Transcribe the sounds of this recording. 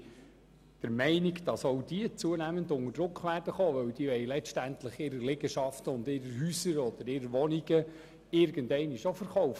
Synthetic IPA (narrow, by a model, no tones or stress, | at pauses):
d̥əɾmɛɪniɡd̥ɑsɔwd̥iət͡suənæːməndʊŋəd̥ɾʊkχʋæːrd̥əχoːʋœwd̥iəʋɛjlɛʃtæntləχɪɾəlɪɡəʃɑftəʊndɪɾəɾɦyːsəɾɔd̥̪əɾɪɾəʋɔniɡ̥ə | ɪɾɡ̥əndɛɪniʃofəɾχɔwf